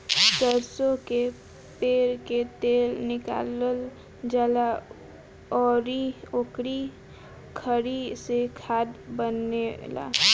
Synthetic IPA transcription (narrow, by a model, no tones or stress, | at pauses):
səɾsõke | peːɾket̪eːlnɪka̰ːləl | d͡ʒala | ɔːɾiokɾi | kʰəɾisekʰaːd̪bənela̰ː